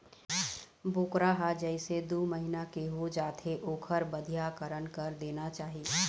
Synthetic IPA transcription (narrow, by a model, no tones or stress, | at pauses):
boːkɾaɦad͡ʒɛɪsed̪uːməɦɪnakeɦod͡ʒaːt̪ʰeʔoːkʰəɾbəd̪ʱjaːkəɾənkəɾd̪eːnat͡ʃaːɦie